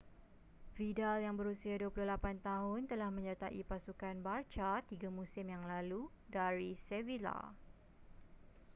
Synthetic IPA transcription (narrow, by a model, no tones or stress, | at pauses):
vidaljaŋbəɾusiaduapulʊhlapant̪aɦʊnt̪əlahmə̃ɲat̪aʔipasukanbart͡ʃat̪iɡamũsɪmjaŋlalu | daɾisɛvila̰